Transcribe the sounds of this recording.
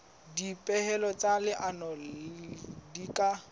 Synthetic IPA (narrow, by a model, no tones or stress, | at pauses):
dipʼɛhɛlɔt͡sʼalɪʔanɔ | dikʼa